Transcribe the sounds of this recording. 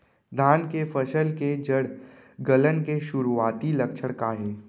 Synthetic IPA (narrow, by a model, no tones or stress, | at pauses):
d̪ʱaːnkefʰəʃəlked͡ʒəɽ | ɡələnkeʃʊɾuaːt̪ilɐkʃʰəɽ̃kaɦɛː